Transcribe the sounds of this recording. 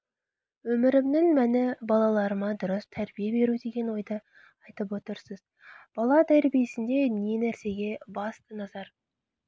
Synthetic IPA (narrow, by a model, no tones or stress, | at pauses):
wɵmɪɾɪmd̪ɪŋmænɪbɑlˠɑlˠɑɾəmɑd̪ʊɾəst̪ʰæɾbijebe̞ɾud̪e̞ɡʲe̞nwo̞jd̪ə | ɑjt̪əp̬wo̞t̪əɾsəz | b̥ɑlˠɑd̪æɾbijesɪnd̪e̞ne̞næɾse̞ɡʲe̞bɑst̪ənɑzɑɾ